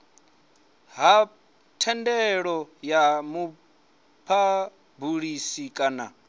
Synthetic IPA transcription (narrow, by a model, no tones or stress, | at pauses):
ɦa | tʰɛndɛɺɔjamu | pʰa | buɺisikʼana̰